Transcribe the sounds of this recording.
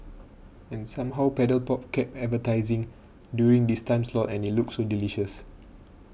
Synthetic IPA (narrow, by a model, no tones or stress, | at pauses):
ɛ̃nsãmɦawpɛdəlpɔp̚kɛp̚ɛtvətaɪzĩŋ | djuɹĩŋdistãɪ̃mslɔtɛ̃nit̚luk̚tsodiliʃəs